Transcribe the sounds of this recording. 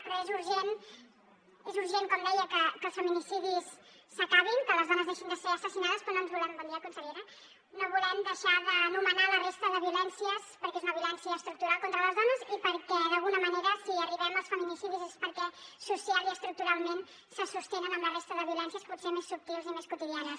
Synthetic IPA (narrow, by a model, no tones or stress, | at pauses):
pɾezuɾʒen | ezuɾʒeŋkomd̪ɛjəkəkəlˠsfəminisiðisː | əkaβiŋkələzðɔnəzðeʃind̪əseəsəsinaðəspononzβulɛmbəniəkunsəleɾə | noβulɛmd̪əʃaðənumənalərest̪əðəβiulɛnsiəspəɾkezunəβiulɛnsiəːst̪ɾuk̚t̪uɾalˠkont̪ɾələzðɔnəzipəɾkɛðəlˠɣunəməneɾəsiəriβɛməlˠsfəminisiðizespəɾkɛsusialˠiəst̪ɾuk̚t̪uɾalˠmen | səsust̪enənəmlərest̪əðəβiulɛnsiəsputsemesːup̚t̪ilzimeskut̪iðianəs